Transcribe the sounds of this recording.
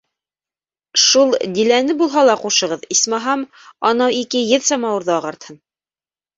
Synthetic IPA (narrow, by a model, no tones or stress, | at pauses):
ʃulˠd̪ilænɘbulˠɦɑlˠɑquʃɤ̆ʁɤðismɑɦɑm | ɑnɑwikɘjɘðsɑmɑwɤ̆ɾðɤːʁɑɾt̪hɤn